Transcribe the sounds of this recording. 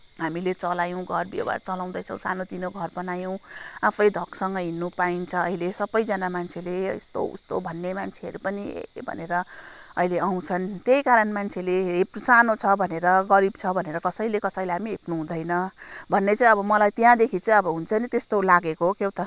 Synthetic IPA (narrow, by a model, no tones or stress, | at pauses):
ɦamilet͡sʌlajõw̃ɡʱʌrbḛwa̰rt͡sʌlaw̃d̪ʌjt͡sʰʌ̃w̃sa̰not̪inoɡʱʌrbʌnajõw̃apʰʌjd̪ʱʌksʌŋɡʌɦinːupaint͡sʰʌʌ̰ilesʌbʌjd͡zʌnamant͡sʰeleḭst̪o̰ṵst̪obʱʌnːemant͡sʰeʌɾupʌnḭbʱʌ̰neɾʌʌ̰ileʔaw̃t͡sʰʌnt̪jejkaɾʌnmant͡sʰeleepsanot͡sʰʌbʱʌneɾʌɡʌɾibt͡sʰʌbʱʌneɾʌkʌsʌjlekʌsʌjleɦamiɦepnuɦũd̪ʌjnʌbʱʌnːet͡saĩʌbʌmʌlajt̪jãd̪ekʰit͡sʌĩʌbʌɦunt͡sʰʌnit̪est̪olaɡekokjewt̪ʌ